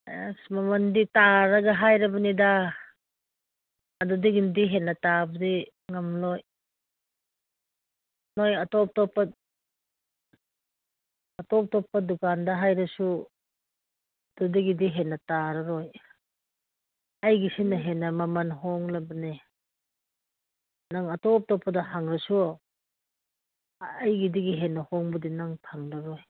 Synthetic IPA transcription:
mɐmɐnditaɾɐɡɐɦajɾɐbɐnida | ɐdudiɡindiɦenːɐtabɐdi | ŋɐmloj | nojɐtɔp̚tɔpːɐ | ɐtɔp̚tɔpːɐdukandɐɦajɾɐsu | dudiɡidiɦenːɐtaɾɐɾoj | ɐjɡisinːɐɦenːɐmɐmɐnɦɔŋlɐbɐne | naŋɐtɔp̚tɔpːɐdɐhaŋɾɐsu | ajɡidiɡiɦenːɐhɔŋbudinaŋtʰaŋɾɐɾoj

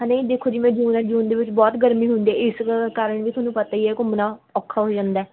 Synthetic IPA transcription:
ãnẽd̪eːkʰoːd͡ʒiːmɛ̃ːd͡ʒuːnad͡ʒuːnd̪eːʋɪt͡ʃbɔːt̪ɡəɾmĩːɦʊ̃nd̪iɛːɪskaːɾəɳʋiːt̪ʰʊaːnũːpət̪aːiːɛːkʊmnãːɔːkʰːaːɦoːd͡ʒãːnd̪aː

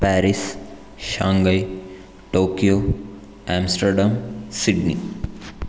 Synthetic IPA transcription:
pɛːɾis | ʃãːŋɡəj | ʈoːkijo | ɛːmsʈəɾɖamsiɖnḭ

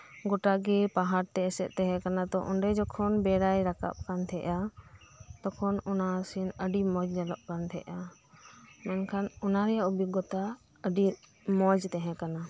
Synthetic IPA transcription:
ɡɔʈaɡɛpaɦaɾt̪ɛːsɛt̪̚t̪ɛɦɛ̃kanad̪ɔʔɔ̰ɳɖɛd͡ʒɔkʰɔnbɛɾajɾaka̰p̚kant̪ʰɛʔa | t̪ɔkʰɔnɔnasinəɖimɔd͡ʒd͡ʒɛlɔʔkant̪ʰɛ̰ʔa | mɛnkʰanɔnaɾɛjaʔubiɡɔt̪a | əɖi | mɔd͡ʒt̪ɛɦɛ̃kana

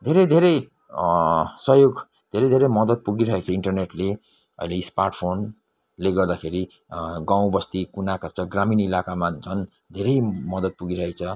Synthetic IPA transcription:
d̪ʱeɾʌjd̪ʱeɾʌj | sʌɦjoɡ | d̪ʱeɾʌjd̪ʱeɾʌmʌd̪ʌt̪̚puɡiɾʌɦekt͡sʰʌiɳʈʌrneʈle | ʌ̰ileisparʈpʰon | leɡʌrd̪akʰeɾi | ɡãw̃bʌst̪ikunakap̚t͡sʰʌɡraminilakamad͡zʰʱʌn | d̪ʱeɾʌjmʌd̪ʌt̪̚puɡiɾʌɦet͡sʰʌ

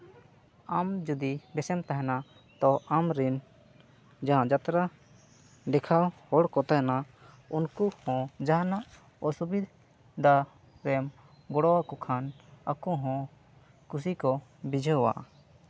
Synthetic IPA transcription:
amd͡ʒud̪ibɛsɛmt̪aɦɛna | t̪ɔʔamɾin | d͡ʒaɦãd͡ʒat̪ɾa | ɖɛkʰawhɔɽkɔt̪aɦɛna | unkuhɔ̃d͡ʒaɦanaʔ | ɔsubid̪ʱ | d̪ʱa | ɾɛm | ɡɔɽɔwakɔkʰana̰kɔɦɔ̃ | kus̬ikɔbid͡ʒʱəwa̰ʔ

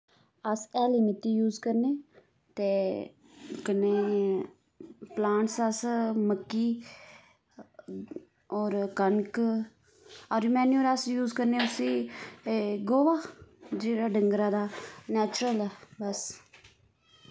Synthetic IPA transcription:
əsɛːlimɪt̪ːiːjuːzkəɾneː | t̪eː | kənːeː | plãːɳʈsəsməkːiː | ɔːɾkəŋk | ɔɾmɛːnjuːɾasjuːzkəɾneːʊsiː | ɡoːʋaːd͡ʒeːɽaːɖəŋɡɾaːd̪aːnɛːt͡ʃɾəlɛbəs

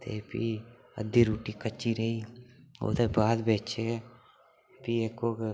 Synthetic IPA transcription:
t̪ḛːpḭ | ə̰d̪iːɾuːʈiːkət͡ʃːiɾəio̰ːt̪ebaːd̪beːt͡ʃe | piekoːk

